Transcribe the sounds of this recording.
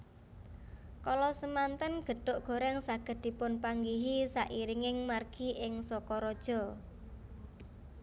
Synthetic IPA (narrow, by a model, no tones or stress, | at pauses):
kɔlɔsəmant̪ənɡ̥ə̤ɖ̥o̤ʔɡ̥o̤ɾɛŋsaɡ̥ə̤d̪̥i̤pʊnpaŋɡiɦisaʔiɾiŋɪŋmarɡ̥iʔɪŋsɔkɔɾɔd̥ʒ̥ɔ̤